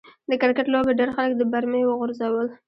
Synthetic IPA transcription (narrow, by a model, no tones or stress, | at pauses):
d̪əkɪɾkaʈlobeɖeɾxaləkd̪əbaɾmewəɣʊɾzawəl